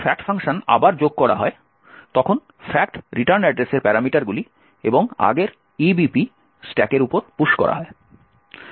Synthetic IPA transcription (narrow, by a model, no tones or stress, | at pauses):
fɛk̚ʈfʰaŋʃona̰baɾd͡ʑoɡ̚kɔɽa̰ɦɔe | t̪ɔkʰon | fɛk̚ʈɾiʈaɾnɛɖɾeseɾpɛɾamiʈaɾɡuli | eboŋa̰ɡeɾ | ibipi | sʈɛkeɾupoɾpuʃkɔ̰ɾa̰ɦɔe